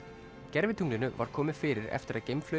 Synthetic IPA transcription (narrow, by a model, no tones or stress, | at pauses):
cɛɾvɪt̪ʰuŋlɪnʏva̰ɾ̥kʰɔːmɪðfɪːɾɪɾɛ̰ft̪ɪɾaðcɛmflœ